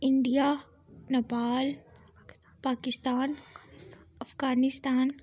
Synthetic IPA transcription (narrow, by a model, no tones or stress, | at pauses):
ɪɳɖija | nɐpaːl | paːkɪst̪aːn | ɐfɡaːnɪst̪aːn